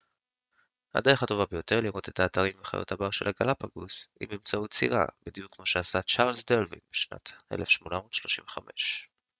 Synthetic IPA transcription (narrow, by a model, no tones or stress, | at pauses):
ha̰d̪eχato̞vabejo̞t̪e̞ʁliʁot̪e̞taːt̪aʁimveχa̰jo̞̰thabaʁʃe̞laɡalapaɡusḭmemt͡sautt͡sḭʁa̰b̥id̪ijukmo̞ʃeasat͡ʃaʁlsd̪elvḭnbeʃna̰t̪e̞̰lefʃmo̞namodʃlo̞ʃimɱveχamʔe̞̰ʃ